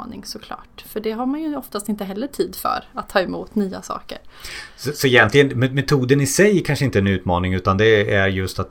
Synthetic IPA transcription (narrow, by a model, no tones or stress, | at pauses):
nɪŋsɔkʰlɑ̰ːʈfœɖɛɦaɾmanjɵɔft̪ast̪ɪnt̪əɦɛlːəʈʰiːd̪fœ̰ɾat̪ʰːɑːɛmuːt̪nyːa̰sɑ̰ːkə̰ɾsɔsɔɛjɛnt̪lɪɡənmɛmɛt̪ʰuːd̪ənɪsɛjkʰanʂəɪnt̪əɛɛnʉ̟ːt̪mɑːnɪŋʉ̟ːt̪and̪ɛæɾjɵst̪at̪